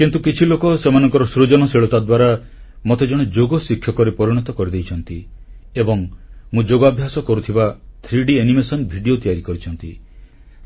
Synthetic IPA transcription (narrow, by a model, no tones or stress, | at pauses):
kint̪ukit͡ʃʰilokɔsemanɔŋkɔɾɔsɾud͡ʒɔnɔseɭɔt̪ad̪waɾa | mot̪ed͡ʒɔɽ̃ed͡ʒoɡɔsikʰːjɔkɔɾepɔɾiɽ̃ɔt̪ɔkɔɾid̪ejt͡ʃʰɔnt̪i | ebɔŋmũd͡ʒoɡɔabʱjasɔkɔɾut̪ʰibat̪ʰɾiɖienimesɔnbʱiɖiot̪ijaɾikɔɾit͡ʃʰɔnt̪i